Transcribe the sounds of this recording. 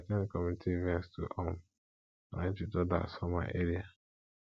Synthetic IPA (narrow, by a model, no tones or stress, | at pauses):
atɛ̃nkɔmitʰivɛ̃nstṵʔɔm | na̰ɪt͡ʃitɔda̰sɔma̰ʔeɾia